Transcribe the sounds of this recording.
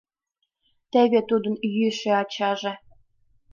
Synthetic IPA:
t̪eβet̪ud̪ə̆njyʃeɑt͡ɕɑʒe

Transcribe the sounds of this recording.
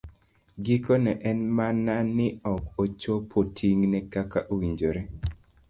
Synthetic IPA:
ɡikonɛʔɛnmananɪɔkot͡ʃopʰotʰiŋnɛkakaʔowiɲd͡ʒoɾɛ

